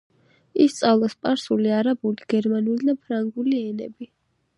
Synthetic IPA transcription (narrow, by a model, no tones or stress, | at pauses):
ist̪sʼavlˠaspʼaɾsuliaɾabuliɡ̥ɛɾmanulid̪apʰɾaŋɡuliɛnɛbi